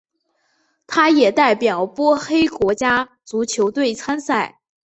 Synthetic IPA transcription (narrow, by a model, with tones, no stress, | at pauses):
t̪ʰa˥jɛ˨˩t̪a˥˩ɪpjɑ˨˩˦ʊpwɔ˥xe˥ɪkwɔ˧˥t͡ɕja˥ | t͡su˧˥t͡ɕʰjo˧˥ʊt̪we˥˩ɪt͡sʰa˥nsa˥˩ɪ